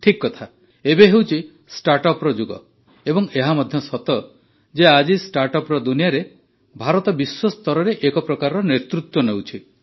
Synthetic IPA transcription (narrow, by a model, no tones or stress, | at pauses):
ʈʰikːɔt̪ʰa | ebeɦewt͡ʃʰi | sʈaɾʈɔpɾɔd͡ʒuɡɔ̰ | ebɔŋeɦamɔd̪ʱjɔsɔt̪ɔ | d͡ʒead͡ʒisʈaɾʈɔpɾɔd̪unijaɾe | bʱaɾɔt̪ɔbiswɔst̪ɔɾɔɾeʔekɔpɾɔkaɾɔɾɔnet̪ɾut̪wɔnewt͡ʃʰi